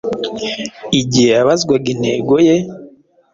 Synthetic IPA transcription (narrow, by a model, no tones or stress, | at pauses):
iɟihejaβazɡwaɡine̞ːɡoje